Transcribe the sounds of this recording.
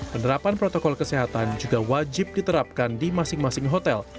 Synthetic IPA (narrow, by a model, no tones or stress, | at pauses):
pənəɾapanpɾot̪okɔlkəseɦat̪and͡ʒuɡawad͡ʒɪp̚dit̪əɾap̚kandimasɪŋmasɪŋɦot̪ɛl